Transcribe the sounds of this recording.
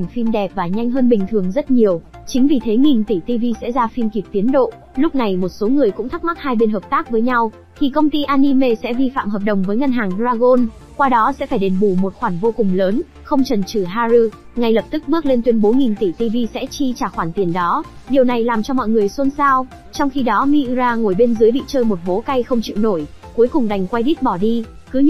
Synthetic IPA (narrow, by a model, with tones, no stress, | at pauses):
ŋ̟fi˧mɗɛ˨˩p̚vaː˨˩ɲa˧jŋ̟ɦəː˧nɓï˨˩ŋ̟t̪ʰɨ˨˩əŋzə˦˥t̚ɲi˨˩əwt͡ɕï˨˦ŋ̟vi˨˩t̪ʰe˨˦ŋi˨˩nt̪i˧˩t̪i˧vi˧sɛ̰˧˥zaː˧fi˧mki˨˩p̚t̪i˨˦ənɗo̰˧˨ʔ | lʊ˦˥k͡p̚na˨˩jmo˨˩t̚so˨˦ŋɨ˨˩əjkʊ̰˧˥ŋ͡mt̪ʰa˦˥k̚ma˦˥t̚haː˧jɓe˧nɦəː˨˩p̚t̪aː˦˥k̚vəː˨˦jɲa˧w | t̪ʰi˨˩kə˧wŋ͡mt̪i˧ʔaː˧ni˧me˧sɛ̰˧˥vi˧fa̰ː˧˨mhɦəː˨˩p̚ɗə˨˩wŋ͡mvəː˨˦jŋə˧nɦaː˨˩ŋɗzaː˧ɣo˧n | kwaː˧ɗɔ˨˦sɛ̰˧˥faː˧˩jɗe˨˦nɓu˧˩mo˨˩t̚xwaː˧˩nvo˧kʊ˨˩ŋ͡mləː˨˦n | xə˧wŋ͡mt͡ɕə˨˩nt͡ɕɨ˧˩ɦaː˧zɨ˧ | ŋa˧˩jlə˨˩p̚t̪ɨ˦˥k̚ɓɨ˦˥ək̚le˧nt̪wi˧ənɓo˨˦nŋi˨˩nt̪i˧˩t̪i˧vi˧sɛ̰˧˥t͡ɕi˧t͡ɕaː˧˩xwaː˧˩nt̪i˨˩ənɗɔ˨˦ | ɗi˨˩əwna˨˩jlaː˨˩mt͡ɕɔ˧mɔ̰˧˨jŋɨ˨˩əjswə˧nsaː˧w | t͡ɕɔ˧wŋ͡mxi˧ɗɔ˨˦mi˧ʔzaː˧ŋo˧˩jɓe˧nzɨ˨˦jɓḭ˧˨t͡ɕəː˧jmo˨˩t̚vo˨˦ka˧jxə˧wŋ͡mt͡ɕḭ˧˨wno˧˩j | ku˨˦əjkʊ˨˩ŋ͡mɗa˨˩jŋ̟kwa˧jɗi˦˥t̚ɓɔ˧˩ɗi˧ | kɨ˨˦